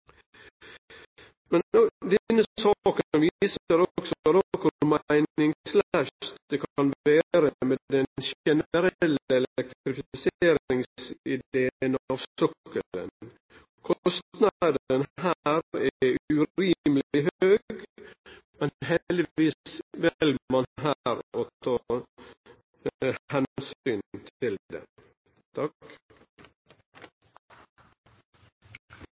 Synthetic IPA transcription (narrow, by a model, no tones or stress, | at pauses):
mɛnd̪ɛnːəsɑkəənʋiːsəɾɔksɔəɾɔkʰʉɾmæɪnɪŋslæʃt̪d̪̥ɛkʰɑnʋæːɾəmeːd̪ɛnʃɛnəɾɛlːəɛlɛk̚t̪t̪ɾɪfɪseːɾɪŋsɪd̪eːənɑʋssœkːələ̰n | kʰɔst̪nɑd̪ənhæɾɛʉɾiːməlɪɦøːɡ | mɛnhɛd̪ɪʋiːsʋɛlmɑnɦæːɾoːt̪ʰɑː | hɛnsyːnt̪ʰɪld̪ɛ̰ | t̪ʰɑk